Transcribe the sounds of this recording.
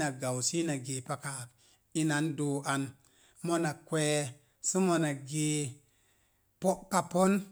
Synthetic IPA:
a˨ɡa˨wsi˦na˨ɡe˨pa˦ka˨k | i˦na˨˦ndo˨ʔa˨n | mo˦na˨kʷe˦ | su˦mo˧na˨ɡi˨ | po˦ʔka˨po˦n

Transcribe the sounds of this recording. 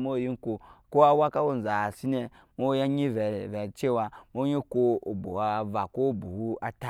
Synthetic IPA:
mo˦˨ji˦n˦ko˨ko˦a˦wa˦ka˦wo˦n˨za˨si˦ne˨ | mo˦ja˦ɲi˦vve˨t͡ʃe˦wa˨mo˦ɲi˦ko˦o˨bo̰˨wa˦˨va˨ko˦˨bu˨wu˦a˨ta˦

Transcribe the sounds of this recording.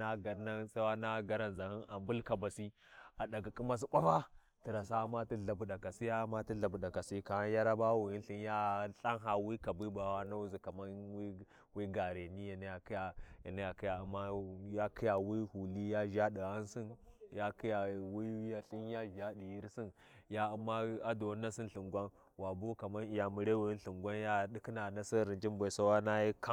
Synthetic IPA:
na˦ɡa˨ɾna˦sa˦wa˦na˦ɡa˦ɾa˦nza˨hi˦na˨mbu˦lka˨ba˨si˦a˨ɗa˨ɡa˨ki˦ma˦s̬i˦ba˦fa˦ | ti˨ɾa˨sa˦ma˦ti˦ɮa˨bu˨ɗa˨ka˨si˦ja˦ma˦ti˦ɮa˨bu˨da˨ka˨si˦ka˨a˦ja˦ɾa˦ba˦wu˨i˦n˦ɬi˦n˦ja˦ɬa˦ŋɦa˨wi˦ka˨bi˦ba˨wa˦na˦u˦zi˨ka˨ma˦wi˦ | wi˦ɡa˨ɾe˨ni˦ja˨na˦ja˨ki˦ja˨ja˨na˦ja˨ki˦ja˨a˨mːa˦ja˦kʰi˦ja˨wi˦hu˨li˦ja˦ʒa˦di˨a˦nsi˦nja˦ki˦ja˨wi˦ja˨ɬi˦n˦ja˦ʒa˦di˨ji˦ɾsi˦n | ja˦a˨mːa˦a˦do˨˦nːa˦si˦n˦ɬi˨ŋɡʷa˦n | wa˨bo˦ka˨ma˦ni˨ja˨mi˨ɾe˦wi˨i˦nɬi˨ŋɡʷa˦nja˦ɗi˦ki˦na˨na˦si˦ɾi˨nd͡ʒi˦mbʷa˨sa˦wa˦na˦ji˦ka˦

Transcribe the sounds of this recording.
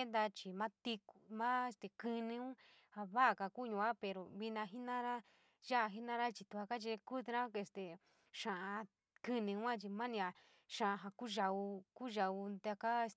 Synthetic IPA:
e˦nd̪a˧t͡ʃi˨mã˦t̪i˧ku˨mã˦e˧st̪e˨kɨ˧nĩ˧ũ˦ | ha˨βa˦ʔa˨ka˨ku˦˧ɲũ˧a˦pe˨ɾo˨βi˧nã˧ɦi˦nã˦ɾa˦ | ʒa˦ʔɦi˦nã˦ɾa˦t͡ʃi˧t̪u˧a˧ka˦t͡ʃi˧ku˦t̪ɾã˦e˧st̪e˨ | ʃã˨ʔã˧ | kɨ˧nĩ˧ũ˦ã˦t͡ʃi˧mã˦nĩ˧a˧ | ʃã˨a˧ɦa˧ku˦ʒa˧u˧ku˦ʒa˧u˧nd̪a˧ka˦e˧s

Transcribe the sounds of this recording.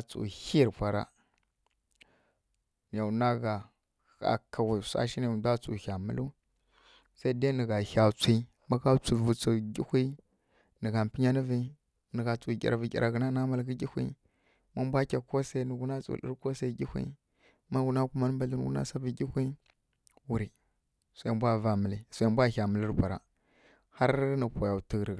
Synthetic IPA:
t͡sṵ˨hi˦ɾfʷa˨ɾa̰˦ | n˨ja˨na˦ɡa˨ | a̰˨ka˨ɣi˨sa̰˦ʃi˦i˨u˨da˦t͡su˨ha˨mə˦lu˦ | sa˦i˦de˦nə˨ɣa˨ha˨t͡sʷi˦ | ma˦ka˦t͡su˨vu˨t͡su˨ɡʲi˦hʷi˦ | nə˨ɡa˨m˨pi˦ɲa˦ni˦vi˦ | nə˨ɡa˨t͡su˨ɡʲḭ˨ɾa˨vi˨kʲḭ˨ɾʔa˨ɡə˨na˦na˦ma˨lɡə˦ɡʲi˦hʷḭ˦ | ma˦bʷa˦kʲa˨ko˦sa˦i˦nə˨ɡu˦na˦t͡sṵ˨˦ḭ˦ɾko˦sa˦ɡʲi˦hʷḭ˦ | ma˦ɡu˨na˦ku˦ma˦n˦ba˨ɬi˦n˨ṵ˦na̰˦sa˦və˨ɡʲi˦xʷi˦ | wu˨ɾi˨ | su˨a˨mbʷa˦va˨mə˨li˨su˨ja˨mbʷa˦ha˨mə˨li˦ɾpʷa˨ɾa̰˨ | ha˦ɾnə˨pʷa˨ja˨ti˨ɾ

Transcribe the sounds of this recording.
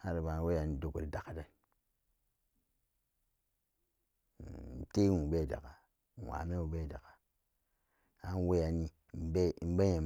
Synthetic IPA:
a˦ɾi˨ba˨˦we˦ja˨ni˨do˨ko˨ɾi˨da˨ka˨da˦n˨˦ | te˦nu˨be˦˨da̰˨ka˨ | wa̰˨me˦u˨be˦˨da˨ka˨ | a˦n˦we˦ja˨ni˦ | m˨˦be˦˨˦m̩˦be˦e˨m

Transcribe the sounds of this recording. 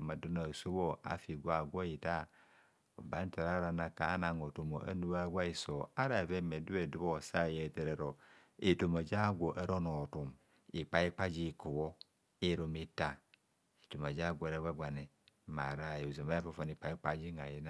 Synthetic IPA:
ma˨du˦na˨so˦bo˦a̰˨fi˨ɡʷa˨ɡʷo˦ji˨ta˦ | o˨ba˨˦n˦ta˨ɾa˦ɾa˨na˨kaː˨˦na˨ŋo˨to˨mo˨ʔa̰˦nu˦βa˦ɡʷa˦i˨so˨a˦ɾa˨ve˦me˨du˦e˨du˦βo˦˨sa˦˨je˨te˨ɾe˨ɾo˨ | e˨to˨ma˨d͡ʒa˦ɡʷo˨ʔa˦ɾo˦no˨tu˨m | i˨k͡pa˨i˦k͡pa˦d͡ʒi˦˨ku˨βo˦ | i˦ɾo˨mi˦ta˨ | i˨tu˨ma˨d͡ʒa˦˨ɡʷo˦ɾe˦ɡa˦ɡʷa˨ne˨ | ma̰˨ɾa˦˨jo˨zo˨ma˦a˦fo˦˨fa˨ni˨k͡pa˨i˦k͡pa˦d͡ʒi˦ŋa˨ji˦na˦

